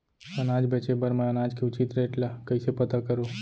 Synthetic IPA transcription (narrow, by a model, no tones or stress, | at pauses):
ənaːd͡ʒbet͡ʃebəɾmãənaːd͡ʒkʰeʊt͡ʃit̪ɾeːʈlakəisepət̪akəɾoː